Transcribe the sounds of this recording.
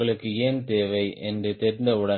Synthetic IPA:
ɐɭɯkːɯeːnt̪eːʋɐɪʔɛndrɯt̪ɛɾɪnd̪ɐɯɽɐ

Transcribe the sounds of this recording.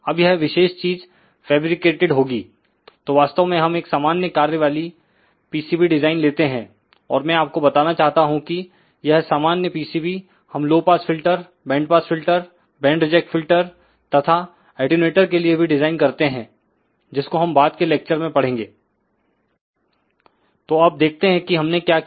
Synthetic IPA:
ɐbjɛɦʋɪʃeːʃt͡ʃiːz | fɛːbɾɪkeːʈeɖɦoːɡiː | t̪oːʋaːst̪əʋmẽɦɐmeːksaːmaːnjəkaːɾjəʋaːli | piːsiːbiɖɪzaːɪnleːt̪eɦɛ̃ | ɔːɾmɛ̃aːp̚kobɐt̪aːnat͡ʃaːɦt̪aɦũki | jɐɦsaːmaːnjəpiːsiːbi | hɐmloːɡ̚paːsfɪlʈəɾ | bɛ̃ːɳɖpaːsfɪlʈəɾ | bɛ̃ːɳɖɾɪd͡ʒɛk̚ʈfɪlʈəɾ | t̪ɐt̪ʰa | ɛːʈineːʈəɾkeliebʱiɖɪzaːɪnkɐɾt̪eɦɛ̃ː | d͡ʒɪskoɦɐ̃mbaːd̪keleːk̚t͡ʃəɾmẽpɐɽ̤ẽːŋɡeː | t̪oːɐb̚d̪eːk̚ʰt̪eɦɛ̃kiɦɐmnekjaː

